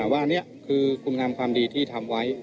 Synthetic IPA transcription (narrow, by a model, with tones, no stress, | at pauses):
waː˥˩ni˦˥˩ɐkʰɯː˧kʰu˧nŋaː˧mkʰwaː˧mdiː˧t̪ʰiː˥˩t̪ʰa˧mwa˦˥j